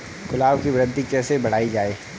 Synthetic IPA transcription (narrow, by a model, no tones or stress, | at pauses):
kʊlaːbkibɾə̃d̪d̪ʱikɛːsebɐɽ̤aːid͡ʒaːeː